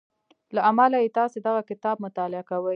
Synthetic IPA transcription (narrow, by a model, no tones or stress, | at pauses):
laamalajet̪ɑsed̪aɣakɪt̪ɑb̚mʊt̪ɑlɪakawə